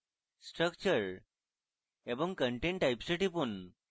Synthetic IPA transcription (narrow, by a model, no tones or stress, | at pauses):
sʈɾək̚t͡ɕəɾ | ebəŋɡkəɳʈeɳʈajpsəʈipun